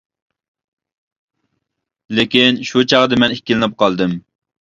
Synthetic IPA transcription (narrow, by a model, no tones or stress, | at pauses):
lekʲinʃut͡ʃʰɑʁd̪ɨmɛnɪkʲːilɪnɨp̚qɑlˠd̪ɨm